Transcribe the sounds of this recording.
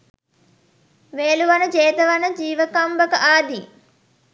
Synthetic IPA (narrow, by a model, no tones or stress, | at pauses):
ʋeːluʋanəd͡ʒeːt̪əʋanəd͡ʒiːʋəkambəkəʔaːd̪i